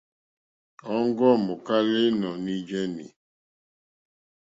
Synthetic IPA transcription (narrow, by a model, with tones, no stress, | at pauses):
ɔ˦ŋ˦ɡɔ˦˨mo˨ka˦le˦nɔ˨ni˦d͡ʒɛ˦nḭ˨